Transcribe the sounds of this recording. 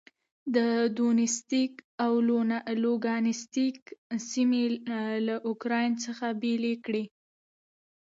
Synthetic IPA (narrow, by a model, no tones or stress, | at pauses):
d̪əd̪onɪst̪ikawloloɡɑnɪst̪iksimelaʔʊkɾɑjnt͡səxabelekɽi